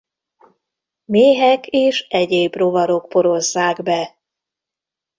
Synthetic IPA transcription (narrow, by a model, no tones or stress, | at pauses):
meːɦɛkeːʃɛɟeːbro̞vɒɾo̞kpo̞ɾo̞zːaːɡbɛ